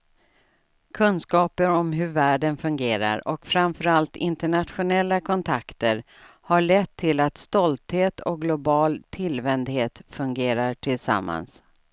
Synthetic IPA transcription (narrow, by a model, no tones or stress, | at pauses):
kʰɵnskɑːpəɾɔmɦɵɾvæːɖənfɵŋɡeːɾa̰ɾɔkfɾamfœɾalt̪ɪnt̪əɳat̪ɧʊnɛlːakʰɔnt̪ʰakt̪əɾ | haɭɛt̪ʰːɪlat̪st̪ɔlt̪heːt̪ʰɔk̚ɡlʊbɑːlt̪ʰɪlvɛnd̪heːt̪fɵŋɡeːɾaʈʰɪlsa̰mːa̰ns